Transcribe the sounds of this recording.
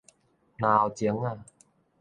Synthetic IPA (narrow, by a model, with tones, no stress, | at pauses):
naː˧wt͡ɕi˨˩˦əŋa˧˩˨